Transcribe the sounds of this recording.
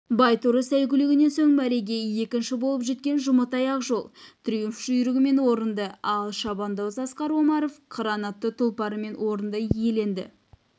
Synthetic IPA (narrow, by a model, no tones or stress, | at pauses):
bɑjt̪uɾəsæjkʲʏlɪɡʲɪne̞nsoŋbæɾeɡʲe̞je̞kʲɪnʃɪbo̞lˠəpʒe̞t̪̚kʲe̞nʒʊmət̪ɑjɑqʒo̞lˠt̪ʰʏɾijɪmfʃʒʏjʏɾɪɡʲɪme̞nwo̞ɾənd̪əɑlˠʃɑbɑnd̪ɑwzɑsqɑɾwo̞mɑɾovqʰəɾɑnɑt̪ːət̪ʰʊlˠpɑɾəme̞nwo̞ɾənd̪əije̞le̞nd̪ɪ̰